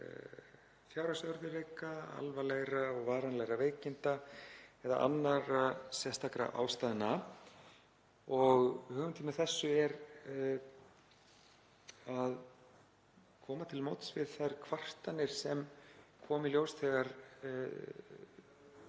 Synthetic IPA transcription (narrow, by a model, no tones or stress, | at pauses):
θjawɾasœɾðɪveːkaa̰lvalɛɣɾaɔɣvaːɾanlɛɣɾaveːjcɪnt̪aɛða̰ʔa̰nːaɾasjɛ̥st̪ʰakɾa̰ʔa̰ːwst̪aːðɪna | ɔɣhœːɣʏnt̪ɪnaθɛsːʏɛɾ | að | kʰɔːmat̪ʰɪlmoːwt̪svɪðθɛr̥kʰvar̥t̪anːɪɾ̥sɛmkʰɔːmɪljowst̪ʰɛɣaɾ̥